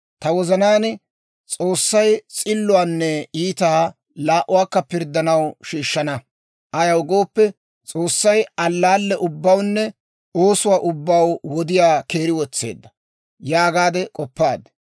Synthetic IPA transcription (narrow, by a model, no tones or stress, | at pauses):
t̪ɐwɔzɐnaːn | t͡sʼo̞ːsːɐjt͡sʼɪlːʊaːnːɛiːt̪aː | laːʔʊwaːkːɐpɪɾd̪ːɐnɐwʃiːʃːɐnɐ | ʔɐjɐwɡo̞ːpːɛ | t͡sʼo̞ːsːɐjɐlːaːlːɛʔʊbːɐwnːɛ | oːsʊwaːʔʊbːɐwwɔd̪ɪjaːke̞ːɾɪwɔt͡sːe̞̰ːd̪ːɐ̥ | jaːɡaːd̪ɛkʼɔpːaːd̪